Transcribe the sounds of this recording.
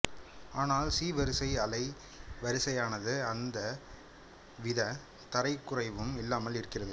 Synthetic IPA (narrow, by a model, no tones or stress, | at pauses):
aːnaːlsiːʋɐɾɯsɐɪɐlɐɪ | ʋɐɾɯsɐjaːnɐðɯɐnd̪ɐ | ʋɪðɐ | t̪ɐɾɐɪkːʊrɐɪʋɯmɪlːaːmɐlɪɾɯkːɪrɐðɯ